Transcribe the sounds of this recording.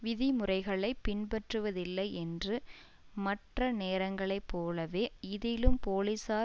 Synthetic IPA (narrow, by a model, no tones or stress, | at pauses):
ʋɪðɪmʊrɐɪɣɐɭɐɪpːɪnpɐʈrɯʋɐðɪlːɐɪɛndrɯ | mɐʈrɐneːɾɐŋɡɐɭɐɪpːoːlɐʋeːɪðɪlɯmpoːlisaː